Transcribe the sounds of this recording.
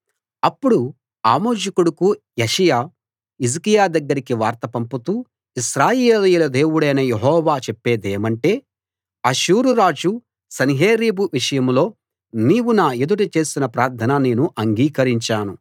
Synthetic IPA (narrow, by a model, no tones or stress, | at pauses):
ɐpːuɽu | aːmoːd͡ʒɐkuɽɐku | jɐʂɐjaː | izɐkijaːd̪ɐɡːɐɾikiʋaːɾt̪ɐpɐmput̪uː | iʃɾaːjeːlijulɐd̪e̞ːwuɽɐjnɐjeɦɔːʋaːt͡ʃepːe̞ːd̪eːmɐɳʈe̞ː | ɐʃuːɾuɾaːd͡ʒu | sɐniɦeːɾiːbuʋiʂɐjɐmlo̞ː | niːwunaːed̪uʈɐt͡ʃe̞ːsinɐpɾaːɾt̪ʰɐnɐne̞ːnuʔɐŋɡiːkɐɾiɲt͡ʃaːnu